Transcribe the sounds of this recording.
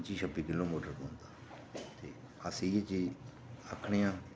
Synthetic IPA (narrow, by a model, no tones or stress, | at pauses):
t͡ʃiːʃəbiːkɪloːmoːʈəɾkõːnd̪aː | t̪eː | əsijet͡ʃiː | əkʰːɳijãː